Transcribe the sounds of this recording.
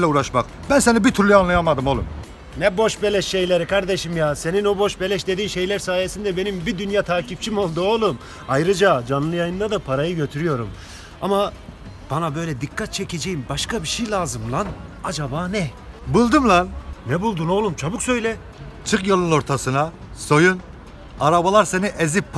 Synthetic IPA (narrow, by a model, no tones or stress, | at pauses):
lʲɛuɾaʃmak | bænsenibit̪ʰyɾlʲˠianlˠajamad̪ɯmo̞lˠṵm | nɛbo̞ʃbe̞lʲɛʃːe̞jlʲeɾikʰaɾd̪e̞ʃimjaːse̞ninobo̞ʃbelʲɛʃd̪e̞d̪iːmʃe̞jlʲæɾsaːje̞sind̪ɛbenimbid̪ynjat̪ʰaːcʰip̚t͡ʃʰimo̞lˠd̪uolˠum | ajɾɯd͡ʒad͡ʒanlˠɯjajɯnd̪ad̪apʰaɾajɯɟø̞t̪ʰyɾyjo̞ɾum | a̰ma | b̥anabø̞jlʲɛd̪ikʰːat̪̚t͡ʃʰecʰe̞d͡ʒejimbaʃkabiʃejlʲˠaːzɯmlˠanad͡ʒabaːnɛ | bulˠd̪ɯmlˠannɛbulˠd̪uno̞lˠumt͡ʃʰabuksø̞jlʲɛ | t͡ʃʰɯkjolˠɯnoɾt̪ʰasɯna | so̞jun | aɾabalˠaɾseniʔezipː